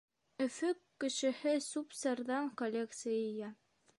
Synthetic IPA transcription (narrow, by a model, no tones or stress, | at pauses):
ɵ̆fɵkːɘ̆ʃɘ̆hɘsupsɑɾðɑŋkolʲekt̪sɨjijæ